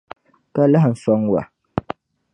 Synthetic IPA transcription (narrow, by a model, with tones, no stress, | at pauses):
ka˦la˦ɦn̩˨sɔ˦ŋwa̰˨